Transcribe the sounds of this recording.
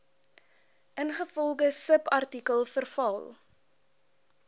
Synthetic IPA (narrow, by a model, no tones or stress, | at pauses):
ʔənχəfɔlˠdəsəpɐrtikəlˠfərfɐlˠ